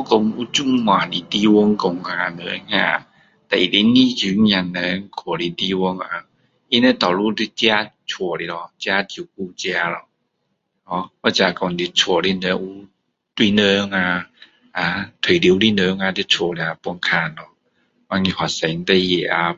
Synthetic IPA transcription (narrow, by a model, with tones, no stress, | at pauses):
ɔ˧˦ko˧mu˧˦t͡ɕu˥˧˩ŋm˧ã˨˩li˧t̪i˧wɔ˧˦ŋkɔ˧ŋa˨˧nə̰˨˦ŋa̰˧˨ | t̪a˨˧˨ʔi˨li˧ni˦˧˦zy˨˦ŋja˧˩nə˧˦ŋkʰɔ˨˩li˧t̪i˧˦wɔ˧˦ŋa˧ | i˦nə˧˦t̪ɔ˨˩wlu˧˦t̪i˧˦t͡ɕja˦˧˦t͡ɕʰɔ˨˩li˧lɔ˧t͡ɕja˧˦t͡ɕi˧˩ku˧˦t͡ɕja˧lɔ˧ | ɔ˧˦ɔ˦t͡ɕja˧kɔ˧˩ŋd̪i˧t͡ɕʰɔ˨˧˩li˧nə˧˦ŋu˧˦ | t̪wi˧˨nə˧˦ŋa˧ | a˨t̪ʰə˨li˨˦wli˧nəː˧˦ŋa˧d̪i˧˦t͡ɕʰɔ˨˧˩li˧a˧pɔ˧ŋkʰa˧nlɔ˧ | wa˧ŋĩ˧hwa˨˩sɛ˨˦ŋ˦t̪e˧je˨˩ʔa˧